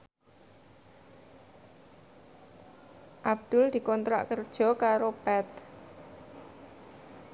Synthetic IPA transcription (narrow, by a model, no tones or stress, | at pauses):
ʔab̚d̪̥ʊld̪̥i̤kɔnt̪ɾa̰ʔkərd̥ʒ̥ɔ̤kaɾob̥ɛt̪